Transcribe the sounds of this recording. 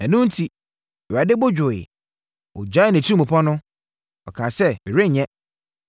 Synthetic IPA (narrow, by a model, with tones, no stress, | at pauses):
ɛ˨nʊ̃˦n̩˦tʰi˨ | a˨dɪ˦bʊ˦d͡ʑᶣʊ˨ɪ˨ | ɔ̰˨d͡ʑa˨˦ɪ˦˨n˨ɛ̃˨t͡ɕʰi˦ɾĩ˦mũ˨pʰɔ˦nʊ̃˦ | ɔ̰˨kʰaː˨sɛ˦bɪ˨ɾe˦˨ɲɛ̃˦